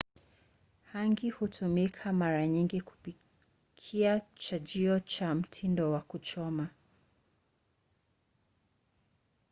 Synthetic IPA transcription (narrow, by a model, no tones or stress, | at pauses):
haŋɡihutʰumikʰamaɾaɲiŋɡiku̥pi | kʰiat͡ʃad͡ʒiɔt͡ʃam̩tʰindɔwakut͡ʃɔma